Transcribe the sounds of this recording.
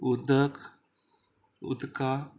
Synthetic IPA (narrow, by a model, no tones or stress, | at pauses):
ud̪ək | ṵd̪ka